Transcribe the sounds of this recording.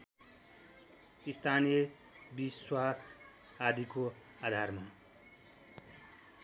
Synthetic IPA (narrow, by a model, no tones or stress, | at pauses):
ist̪ʰanije | biswas | ad̪ʱiko | ad̪ʱarma